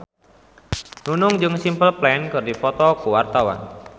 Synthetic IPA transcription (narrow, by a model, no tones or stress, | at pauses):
nunʊŋd͡ʒɨŋsimpəlplɛnkɨrdifɔt̪ɔkuwart̪awa̰n